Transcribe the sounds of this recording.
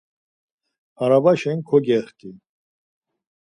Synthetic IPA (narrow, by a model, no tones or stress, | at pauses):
aɾabaʃɛŋkʰɔɡɛχk̪ʼi